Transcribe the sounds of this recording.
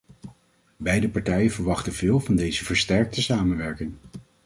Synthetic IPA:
bɛjdəpɑɹtɛjənvəɹʋɑχtənvɪːlˠvɑndejzəvəɹstɛɹk̚təsaːmənʋɛɹkɪŋ

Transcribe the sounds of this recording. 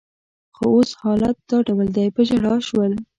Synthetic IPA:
xooshɑlat̪̚d̪ɑɖawəld̪ajpəd͡ʒaɽɑʃwəl

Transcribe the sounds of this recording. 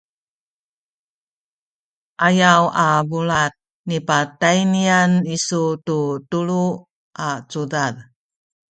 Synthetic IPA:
ʔajawavuɭat̚ | nipatajnianisututuɭu | ʔat͡sudad

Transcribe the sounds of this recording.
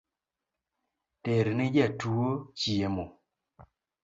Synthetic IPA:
teɾinid͡ʒɛtuot͡ʃiemo

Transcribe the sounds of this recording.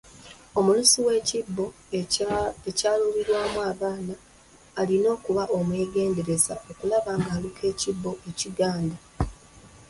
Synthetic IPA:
o̞mulusiwe̞ːcibːo̞ | ecaːluβiɾwaːmuaːβaːnaː | lino̞ːkuβaʔo̞mwe̞ːɡe̞ːnde̞ɾe̞zaʔo̞kulaβaːŋɡaːlukʰe̞ːcibːo̞ʔe̞ciɡaːnda

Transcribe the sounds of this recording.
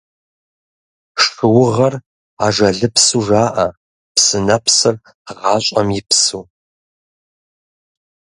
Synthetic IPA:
ʂɨwʊʁɐr | aːʒɐɮɨpsuːʐaːʔɐ | psɨnɐpsɨr | ʁɑːɕʼɐmjɪpsuː

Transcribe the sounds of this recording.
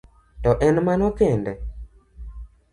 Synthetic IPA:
tɔʔɛnmanɔkɛndɛ

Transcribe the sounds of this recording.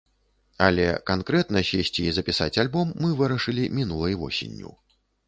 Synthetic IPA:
ɐlʲɛ̰kankɾɛt̪nɐsʲesʲt͡sʲiːzɐpʲisa̰t͡sʲalʲbɔmːɨvɨɾɐʂɨlʲimʲinulˠɐjvɔ̰sʲḛnʲːṵw

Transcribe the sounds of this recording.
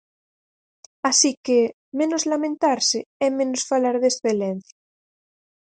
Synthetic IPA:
asike | mẽnozlamẽnt̪aɾseɛmẽnosfalaɾðesθelenθja

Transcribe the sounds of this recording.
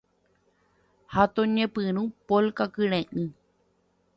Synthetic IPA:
hat̪oɲẽpɨɾ̃ũpolkakɨɾẽʔɨ̃

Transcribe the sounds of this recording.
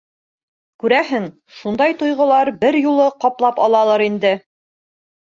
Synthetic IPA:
kʉɾæɦɘŋ | ʃund̪ɑjt̪ŏjʁŏlˠɑɾbɘɾjulˠɤqɑplˠɑpɑlˠɑlˠɤɾind̪ɘ

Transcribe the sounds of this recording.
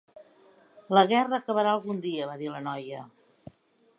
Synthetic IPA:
ləɣɛrəːkəβəɾaəlˠɣund̪iəβaðilənɔjə

